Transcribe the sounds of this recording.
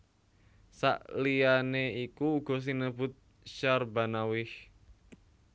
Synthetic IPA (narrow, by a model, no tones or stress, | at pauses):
sa̰ʔlianeikuːɡ̥ɔ̤s̬inəb̥ʊt̪̚ | ʃarbanawɪh